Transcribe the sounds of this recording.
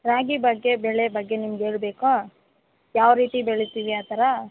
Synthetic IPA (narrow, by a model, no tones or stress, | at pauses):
ɾaːɡibɐɡːe̞bɛɭeɐbɐɡːe̞nimɐɡeːɭbe̞ːko | jaːʋɾiːt̪ibɛɭet̪iʋiaːt̪ɐɾa